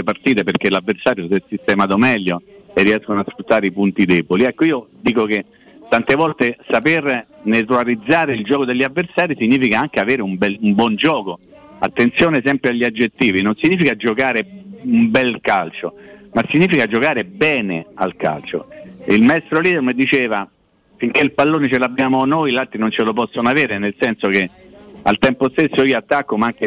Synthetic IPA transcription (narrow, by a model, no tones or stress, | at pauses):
epart̪iːt̪eperk̟elavːersaːɾjosɛsist̪ɛmaːd̪omɛʎːoerːiɛskonasfɾut̪ːaːɾeipunt̪id̪ɛːboliɛkːoiːod̪iːkok̟e | t̪ːant̪evɔlt̪esapernet̪ulaɾid̪zːaːɾeild͡ʒɔːkod̪elʎːavːersaːɾisiɲːiːfikaaŋk̟eaveːɾeumbɛlumbwɔnd͡ʒɔːko | a̰t̪ːent̪sjoːnesɛmpɾeaʎːiad͡ʒːet̪ːiːvinonsiɲːiːfikad͡ʒokaːɾeumbɛlkalt͡ʃomasːiɲːiːfikad͡ʒokaːɾebɛːnḛa̰lka̰lt͡ʃo̰ilmaɛst̪ɾoliːd̪ermed̪it͡ʃeːva | fiŋk̟eilpalːoːnet͡ʃelabːjaːmonojlat̪ːinont͡ʃelop̬ɔsːonoaveːɾenelsɛnsok̟e | a̰lt̪ɛmpost̪esːoiːoat̪ːakːomaaŋke